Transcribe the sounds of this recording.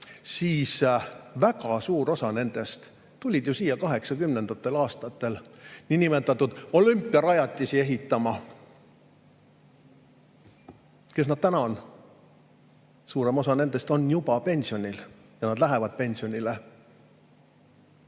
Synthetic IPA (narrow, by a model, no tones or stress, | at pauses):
siːsvækɑsuːɾo̞sɑne̞nd̪̥e̞st̪ | t̪ulʲid̪̥jusiːjɑkɑɦe̞ksɑkymne̞nd̪̥ɑt̪ːe̞lɑːst̪ɑt̪ːˑe̞lninime̞t̪ːˑɑt̪ːˑud̪̥o̞lympːˑiɑɾɑjɑt̪ʲːˑisie̞ɦit̪ːˑɑmɑ | ke̞snɑd̪̥t̪ænɑn | suːɾe̞mo̞sɑne̞nd̪̥e̞st̪o̞njubɑpe̞nʲsio̞nʲil | jɑnɑd̪læɦevɑd̪̥̚pe̞nʲsio̞nʲile